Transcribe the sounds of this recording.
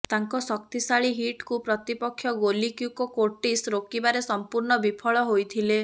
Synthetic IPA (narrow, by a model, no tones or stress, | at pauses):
t̪aŋkɔsɔkt̪isaɭiɦiʈkupɾɔt̪ipɔkʰːjɔɡolikiwkɔkoʈisɾokibaɾesɔmpuɾɳɔbipʰɔɭɔɦojt̪ʰile